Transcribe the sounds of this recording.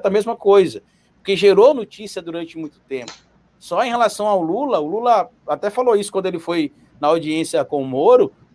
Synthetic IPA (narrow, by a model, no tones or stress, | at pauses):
t̪ɐmezmɐkojzɐ | ʊkeʒeɾonot͡ʃisiɐd̪uɾɐ̃nt͡ʃɪmũj̃t̪ʊ̥t̪ẽpʊ̥ | sɔẽɦelasɐ̃w̃awʊlulɐʊlulɐ | at̪ɛfaloisʊ̥kwɐ̃nd̪ʊelɪfoj | nɐawd͡ʒiẽsiɐkõʊmoɾʊ